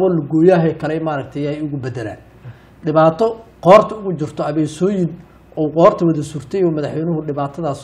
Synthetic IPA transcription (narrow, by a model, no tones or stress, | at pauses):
ɔlɐɡɔːjaːɦɛːkʰɐlɛmaːɾɐɡ̚t̪ʰɛjajʊɣʊbɛd̪ɛla̰ːn | ɖɪβaːt̪ʰɔqɔːrt̪ʰɐʊɣʊt͡ʃɪrt̪ʰɔɐβɛːsɔːjɪn | ʔɔwqɔːrt̪ʰɐwɐðɐsuːrt̪ʰɛjɔːmɐðɑħwɛjnʊɦʊɖɪβaːt̪ʰɐðaːs